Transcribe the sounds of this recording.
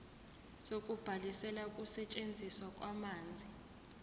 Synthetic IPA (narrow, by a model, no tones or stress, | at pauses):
sokʼub̥ʱalisɛlakʼusɛt͡ʃʼend͡zʱiswakʼwamaːnd͡zʱi